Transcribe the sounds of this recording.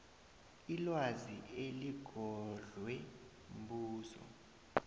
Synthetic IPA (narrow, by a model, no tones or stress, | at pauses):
ilwazieliɡ̥ʱɔɮwɛ | mbuːzɔ̰